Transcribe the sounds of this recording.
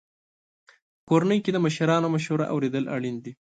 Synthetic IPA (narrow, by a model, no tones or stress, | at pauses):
əkoɾanəjked̪əməʃaɾɑnomaʃuɾa̰ʔa̰wɾed̪əla̰ɽind̪i